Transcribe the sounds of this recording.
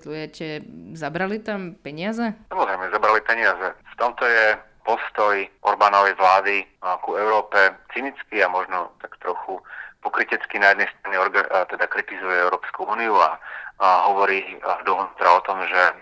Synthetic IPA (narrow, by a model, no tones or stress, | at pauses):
t̪lujɛcɛzabɾalit̪ampɛɲɪazɛsamɔzɾɛɪmɛzabɾalipɛɲɪazɛft̪ɔmt̪ɔjɛ | pɔst̪ɔjʔɔɾbaːnɔʋɛjʋlaːd̪ikuɛʊɾɔːpɛt͡sinit͡skiamɔʒnɔt̪akt̪ɾɔxupɔkɾicɛt͡skinajɛd̪nɛjst̪ɾaniɔɾɡat̪ɛd̪akɾit̪izujɛɛʊɾɔːpskuuːniua̰ɦɔʋɔɾid̪ɔɦnuːt̪ɾaɔt̪ɔmʒɛ